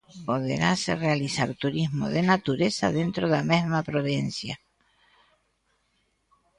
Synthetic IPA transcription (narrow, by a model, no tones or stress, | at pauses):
poðḛɾa̰serealisaɾt̪uɾizmo̰ðenat̪uɾesa̰ðe̞nt̪ɾoðame̞ɦmapɾoðensja